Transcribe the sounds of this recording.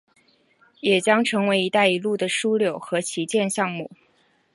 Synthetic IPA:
jɛ˨˩t͡ɕjɑ˥ŋʈ͡ʂʰɤ˧˥ŋwe˧˥ɪi˧˥t̪a˥˩ɪi˧˥lu˥˩d̪ə˩ʂu˥ljo˨˩ʊxɤ˧˥t͡ɕʰi˧˥t͡ɕjɛ˥˧nɕjɑ˥˧ŋmu˥˩

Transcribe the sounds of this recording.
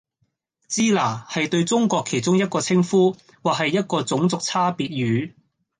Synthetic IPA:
t͡siː˥laː˨˩hɐ˨jt̪ɵ˧ɥt͡sʊ˥ŋkʷɔː˧kʰe˨˩jt͡sʊ˥ŋjɐ˥t̚kɔː˧t͡sʰɪ˥ŋfuː˥ | waː˨k̚hɐ˨jːɐ˥t̚kɔː˧t͡sʊ˨˥ŋt͡sʊ˨k̚t͡sʰaː˥piː˧t̚jyː˨˥

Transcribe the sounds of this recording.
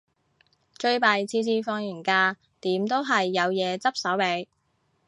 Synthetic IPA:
t͡ʃɵ˧ɥpaː˨jt͡sʰiː˧t͡siː˧fɔː˧ŋjyː˨˩nkaː˧ | t̪iː˨˥mt̪o˥wɦɐ˨jːɐ˨˧wjɛː˨˧t͡sɐ˥p̚sɐ˨˥wpe˨˧˥j

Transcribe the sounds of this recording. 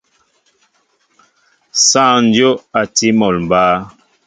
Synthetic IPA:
sã˦˨n̩˦djo˦a˨ti˦mɔ˨lm˨baː˦

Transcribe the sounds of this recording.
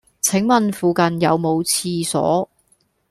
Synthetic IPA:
t͡sʰɪ˨˥ŋmɐ˨nfuː˨kɐ˨njɐ˨˧wmo˨˧wt͡sʰiː˧sɔ̰ː˨˥

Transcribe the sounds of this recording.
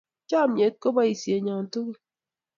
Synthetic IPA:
t͡ʃa˦˨m˦ɲe˨˦t̚ko˦ba˦i˨sje˨ɲa˨ŋ̩˨to˦ɣi˦

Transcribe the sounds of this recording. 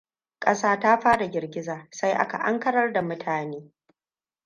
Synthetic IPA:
kʼɐ˦saː˦taː˦ɸaː˦da˨ɡʲɪ˨rɡʲɪ˦zaː˨sa˦jʔa̰˦ka̰˨ʔa̰˦ŋkɐ˦ɽɐ˦rda˨mʊ˦tʰaː˨neː˦

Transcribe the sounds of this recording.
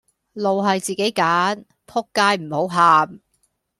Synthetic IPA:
lo˨wɦɐ˨jt͡siː˨ke˨˥jkaː˨˥n | pʰʊ˥kːaː˥jm̩˨˩ho˨˥wɦaː˨˧m

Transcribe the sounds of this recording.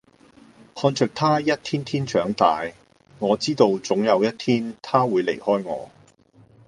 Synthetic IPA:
hɔː˧nt͡ʃʰœː˨˩k̚t̪ʰaː˥jɐ˥t̚t̪ʰiː˥nt̪ʰiː˥nt͡ʃœː˨˥ŋt̪aː˨j | ŋɔː˨˧t͡siː˥t̪o˧wt͡sʊ˨˥ŋjɐ˨˧wjɐ˥t̚t̪ʰiː˥nt̪ʰaː˥wuː˨˧jlḛ˨˩jhɔː˥jŋɔ̰ː˨˧

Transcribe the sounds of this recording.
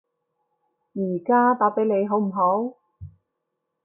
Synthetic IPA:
jiː˨˩kaː˥t̪aː˨˥pe˨˥jne˨˧jɦo˨˥wm̩˨˩ɦo˨˥w

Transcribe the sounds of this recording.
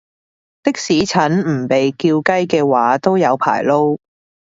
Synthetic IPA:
t̪ɪ˥k̚siː˨˥t͡sʰɐ˨˥nm̩˨˩pe˨jkiː˧wkɐ˥jkɛː˧waː˨˥t̪o˥wjɐ˨˧wpʰa̰ː˨˩jlo˥w

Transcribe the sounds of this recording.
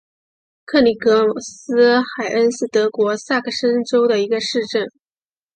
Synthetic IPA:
kʰɤ˥˩li˨˩kɤ˧˥˨sɹ̩˥xa˨˩ɪʔə˥nʂ̩˥˩t̪ɤ˧˥kwɔ˧˥sa˥˩kʰə˥˩ʂə˥nʈ͡ʂo˥ʊd̪ə˨i˧˥ɡə˧ʂɻ̩˥˧ʈ͡ʂə˥˩n

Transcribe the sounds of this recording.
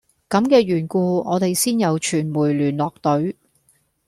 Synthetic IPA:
kɐ˨˥mkɛː˧ɥyː˨˩nkuː˧ɔː˨˧t̪e˨jsiː˥njɐ˨˧wt͡ʃʰyː˨˩nmuː˨˩jlyː˨˩nlɔː˨k̚t̪ɵ˨˥ɥ

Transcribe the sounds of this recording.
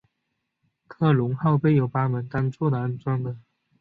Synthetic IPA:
kʰɤ˥˩lʊ˧˥ŋxɑ˥˧ʊpe˥˩ɪjo˨˩ʊpa˥mə˧˥nt̪a˥nt͡swɔ˥˩d̪ə˨˩a˥nt͡swɑ˥ŋd̪ə˨

